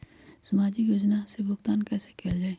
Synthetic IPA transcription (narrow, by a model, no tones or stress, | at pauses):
səmaːd͡ʒijʊd͡ʒnasebʊxt̪aːnkɛːse̥keld͡ʒaːeː